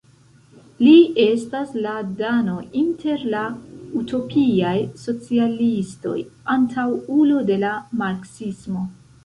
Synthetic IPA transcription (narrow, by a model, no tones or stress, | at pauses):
lie̞stasladano̞ʔintʰe̞ɾlautʰo̞pʰiajso̞t͡sialisto̞̰jantʰawulode̞lamaɾksismo̞